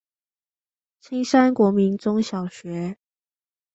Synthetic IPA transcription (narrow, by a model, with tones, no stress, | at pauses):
t͡ɕʰi˥ŋʂa˥nkwɔ˧˥mi˧˥nt͡sʊ˥ŋɕjɑ˨˩ʊɕɥɛ˨˧˥